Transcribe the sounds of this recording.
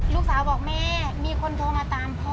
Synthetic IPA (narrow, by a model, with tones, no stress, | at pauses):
luː˦˥k̚saː˨˦wbɔː˨˩k̚mɛː˧˩miː˧kʰo˧nt̪ʰoː˧ŋmaː˧t̪aː˨˧mpʰɔ˧